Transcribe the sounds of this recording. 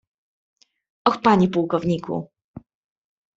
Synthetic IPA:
ʔɔxpaɲipuwkɔvɲikṵ

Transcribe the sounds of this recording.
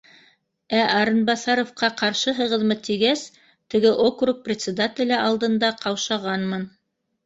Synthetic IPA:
æʔɑɾɤ̆nbɑsɑɾŏfqɑqɑɾʃɤɦɤ̆ʁɤ̆ðmɤt̪iɡæs | t̪ɘ̆ɡɘʔokruk̚prʲɪt̪sʲɪd̪at̪ʲɪ̆lʲɘʔɑlˠd̪ɤ̆nd̪ɑqɑwʃɑʁɑnmɤn

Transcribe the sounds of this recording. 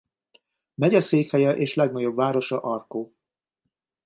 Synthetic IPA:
mɛɟɛseːkhɛjɛʔeːʃlɛɡnɒɟo̞bvaːɾo̞ʃɒʔɒrkoː

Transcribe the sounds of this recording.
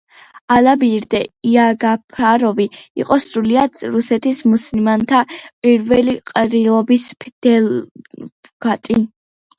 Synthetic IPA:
alabiɾd̪ɛiaɡapʰɾaɾɔviḭqʼɔsɾuliad̪ɾusɛt̪ʰismuslimant̪ʰapʼiɾvɛliqʼɾilˠɔbispʰd̪̥ɛl | ɡ̥at̪ʼi

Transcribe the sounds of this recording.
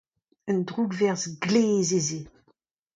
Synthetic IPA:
əndʁuɡvɛʁzɡleːzeze

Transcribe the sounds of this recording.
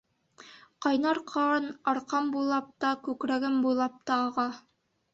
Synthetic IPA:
qɑjnɑɾqʰɑnɑɾqɑmbujlˠɑp̚t̪ɑkʉkɾæɡɘmbujlˠɑp̚t̪ɑːʁɑ

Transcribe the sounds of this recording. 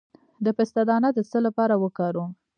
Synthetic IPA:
d̪əpɪst̪ad̪ɑnad̪əsəlapɑɾawəkɑɾu

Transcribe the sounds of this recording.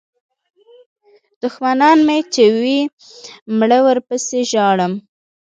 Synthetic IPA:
d̪̥ʊxmanɑnmet͡ʃewi | mɽəwəɾpəseʒɑɽəm

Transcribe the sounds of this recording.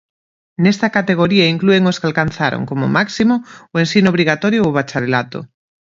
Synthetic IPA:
nest̪akat̪eɣ̞oɾiaiŋklueŋoskalkanθaɾo̰ŋkomomaksimooensinoβɾiɣat̪oɾjoːβat͡ʃaɾelat̪o̰

